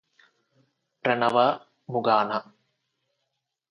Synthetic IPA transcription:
pɾɐnɐʋɐ | muɡaːnɐ

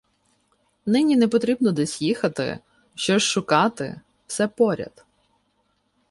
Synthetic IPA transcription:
nɪnʲinɛpɔt̪ɾʲibnɔd̪ɛsʲjixɐt̪ɪ̰ | ʃt͡ʃɔʃʃʊkɑt̪ɪ̰ | w̥sɛpɔɾʲɐ̰d̪̥

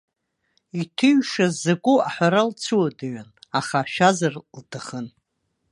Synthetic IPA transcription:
itʰɨɥʂazaɡʷʼʊaħʷaɾalt͡sʰuwadaɥanaχaʃazarltʰaχən

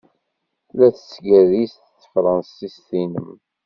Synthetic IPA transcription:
læθə̥sɡæðist̪θə̥fɾˤɑnsist̪inəm

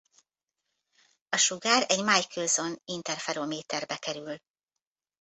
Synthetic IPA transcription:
ɒʃuɡaːɾɛɟmaːjkʰøːzo̞nint̪ɛrfɛɾoːmeːt̪ɛrbɛkɛɾyl

